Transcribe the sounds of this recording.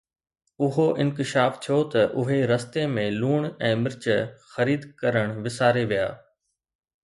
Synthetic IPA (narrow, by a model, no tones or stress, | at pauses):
ʊɦoʔɪ̃nkɪʃaːft̪ʰijot̪ɐʔʊɦeɾɐst̪emẽluːɽ̃ɛ̃ːmɪɾt͡ɕəxɐɾiːd̪kɐɾəɽ̃ʋɪsaːɾeʋija̰ː